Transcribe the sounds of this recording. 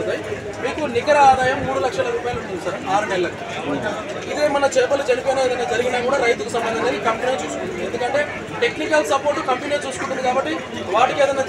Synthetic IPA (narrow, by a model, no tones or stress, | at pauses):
d̪aːji | miːkuniɡɐɾɐaːd̪aːjɐmːuːɽulɐkʂɐlɐɾuːpaːjaɐluɳʈund̪isaːɾaːɾunɛlːɐkːi | id̪eːmɐnɐt͡ʃɛːpɐlud͡ʒɐnipoːneeːd̪ɐjnaːd͡ʒɐɾiɡinaːkuːɽaːɾɐjt̪ukusɐmbɐnd̪inɐnikɐmpinet͡ʃuːsu̥kunːʈːuuied̪ukɐɳʈe̞ː | ʈe̞knikɐlsɐpo̞ːɾʈːukɐmpinet͡ʃuːsukuɳʈːund̪ikaːbɐʈːi | ʋaːʈikɛːd̪ɐjnaː